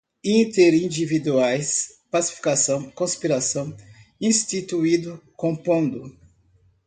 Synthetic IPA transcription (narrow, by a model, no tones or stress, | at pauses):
ĩt̪eɾĩd͡ʒivid̪uajspasi̥fi̥kasɐ̃w̃kõspiɾasɐ̃w̃ĩst̪it̪uid̪ʊkõpõd̪ʊ